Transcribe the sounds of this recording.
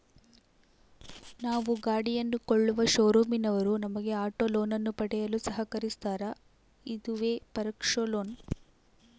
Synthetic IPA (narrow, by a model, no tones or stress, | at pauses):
naːʋuɡaːɽijɐnːukoɭːuʋɐʃoːɾuːminɐʋɐɾunɐmɐɡe̞aːʈoloːnɐnːupɐɽɛjɐlusɐɦɐkɐɾist̪aːɾɐ | id̪uʋe̞ːpɐɾɐkʂoloːn